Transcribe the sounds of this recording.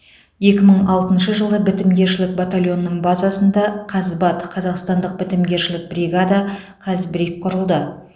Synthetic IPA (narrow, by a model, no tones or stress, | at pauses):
je̞kʲɪməɴɑlˠt̪ənʃəʒəlˠəbɪt̪ɪmɡʲe̞ɾʃɪlɪk̚bat̪alʲˠjo̞nːəɴbɑzɑsənd̪ɑqʰɑzbɑt̪qʰɑzɑqst̪ɑnd̪əq̚bɪt̪ɪmɡʲe̞ɾʃɪlɪk̚brʲiɡad̪ɑ | qʰɑzbɪɾek̚qʰʊɾəlˠd̪ə